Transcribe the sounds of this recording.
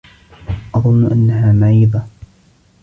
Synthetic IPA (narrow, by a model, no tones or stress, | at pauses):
ʔɑðˤʊnːʊʔanːaɦaːmaʕiːd̪ˤa